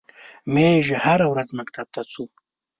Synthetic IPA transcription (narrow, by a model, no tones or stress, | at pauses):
meʒehaɾawɾazmakt̪ab̚t̪at͡sʰu